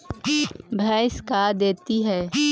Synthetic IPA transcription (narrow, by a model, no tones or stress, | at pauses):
bʱɛ̃ːɪskad̪eːt̪iɦɛː